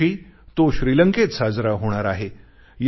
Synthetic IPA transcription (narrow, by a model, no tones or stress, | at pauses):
iːt̪oɕɾiːləŋket͡ssad͡zɾaɦoɽ̃aɾaɦe | j